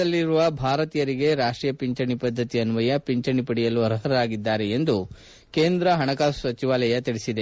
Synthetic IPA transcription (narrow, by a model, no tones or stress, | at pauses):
ɐlːiɾuʋɐbʱaːɾɐt̪iːjɐɾiɡe̞ɾaːʂʈɾiːjɐpiɲt͡ʃɐɳipɐd̪ʱːɐt̪iɐnuʋɐjɐpiɲt͡ʃɐɳipɐɽijɐluɐɾɐɦɐɾɐɾaːɡid̪ːaːɾe̞ːnd̪u | ke̞ːnd̪ɾɐɦɐɳɐkaːsʋɐt͡ʃiʋaːlɐjɐt̪iɽesid̪e